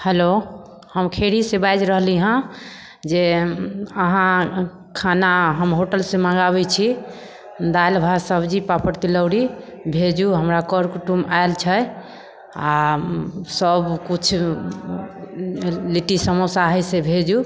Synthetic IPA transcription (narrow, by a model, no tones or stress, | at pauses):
helo | həmkʰeɽisebajd͡ʒɾəɦliɦə̃ | d͡ʒe | əɦã | kʰanaɦəmɦoʈəlsẽmãɡaβɛt͡ʃʰi | d̪ajlbʱasəbd͡ʒipapʰəɾt̪iləwɽi | bʱed͡ʒuɦəmɾakəɾkuʈumaelt͡ʃʰə | a | səbkut͡ʃʰ | liʈisəmosaɦɛsebʱed͡ʒu